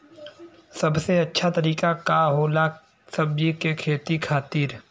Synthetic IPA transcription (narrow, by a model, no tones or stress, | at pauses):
sɐbseɐtːʃʰat̪ɐɾiːkakaɦoːla | sɐbd͡ʒikekʰeːt̪ikʰaːt̪iːɾ